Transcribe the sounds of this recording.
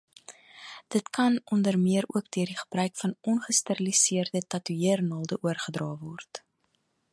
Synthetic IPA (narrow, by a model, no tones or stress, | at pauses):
d̥ətkɐnɔndərmiəɾuəkdøərdiχə̥brœɥkfɐnɔnχəstəɾəlisiərdətɐtyiərnɑːlˠdəʔuərχədrɑːvɔrt